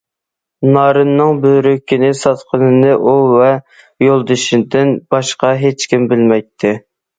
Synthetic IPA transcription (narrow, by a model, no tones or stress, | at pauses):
nɑːɾɨnːɨŋbøɾøkʲʰːinɪsɑt̪qʰənɨnɨʔuvɛ | jolˠd̪ɨʃind̪ɪnb̥ɑʃqɑɦet͡ʃkʲimbɪlmɛjt̪ʰːɪ